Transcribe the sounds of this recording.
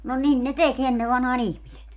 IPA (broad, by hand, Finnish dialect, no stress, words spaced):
no nin ne tek enːe ʋɑnhɑːn ihmiset